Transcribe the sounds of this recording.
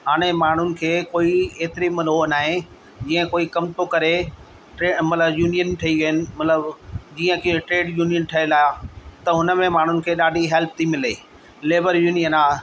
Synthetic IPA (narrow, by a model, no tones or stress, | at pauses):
ɦaːɽ̃emaːɳ̤ʊnɪ̆kʰeːkoːieːt̪ɪɾimɐnɦoːnaːɦẽ | d͡ʑiːə̃koːikɐmt̪okɐɾe | ʈɾeːmɐt̪ləbjuːnijənʈʰɐiʋɐɦɪnɪ̆mɐt̪ləbd͡ʑiːə̃kʈɾeːɖjuːnijənʈʰɐelaːt̪ɐɦʊnəmẽmaːɳ̤ʊnɪ̆kʰeːɗaːɖʱiɦɛlp̚t̪ʰimɪleː | leːbəɾjuːnijənaː